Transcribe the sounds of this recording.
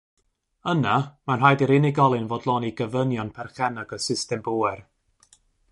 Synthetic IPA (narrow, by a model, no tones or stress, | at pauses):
ənamanrajdiɾɪnɪɡɔlˠɨnvoːdlˠɔːniɡəvənjɔnpʰɛrχɛnaɡəsɪstɛmbuːɛr